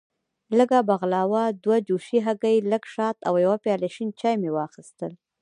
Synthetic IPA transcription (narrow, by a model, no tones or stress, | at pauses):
ləɡabaɣlɑwad̪wad͡ʒuʃiɦaɡajləɡʃɑt̪awjawapjɑlaʃint͡ʃɑjmewɑxɪst̪əl